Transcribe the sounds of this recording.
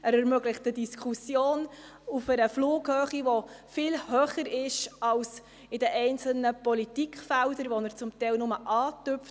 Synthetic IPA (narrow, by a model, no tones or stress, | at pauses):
əɾɛɾmœɡlɪχtədiskʰusjoːn | ufəɾəfluːɡhøːχiʋofɪlhøːχəɾɪʃɑls | ɪdəʔɛɪnt͡sl̩nəpɔlitikχfældəɾʋɔnəɾt͡sʊmtɛɪlnʊməʔɑːtʏpf